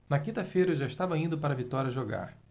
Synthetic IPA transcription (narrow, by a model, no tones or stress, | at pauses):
nɐkĩnt̪ɐfejɾɐʒaɪʃt̪avɐĩnd̪ʊpaɾɐvit̪ɔɾʲiɐʒoɡa̰ɾ